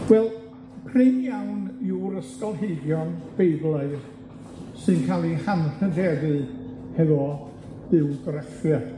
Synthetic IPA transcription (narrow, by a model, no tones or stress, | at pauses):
wɛlˠ | pʰrɪmjawniwɾəskɔlˠɦeɨdjɔnb̥ejblˠaɨð | sɨnkʰalˠihanhədɛdɨ | hɛðɔ | ð̥ɪwɡrɛfjə̥